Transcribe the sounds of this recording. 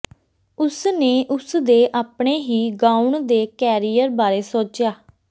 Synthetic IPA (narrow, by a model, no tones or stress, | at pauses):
ʊsneːʔʊsd̪eːʔaːpɳeːɦiːɡaːuɳd̪eːkɛːɾiːjəɾbaːɾeːsoːt͡ʃjaː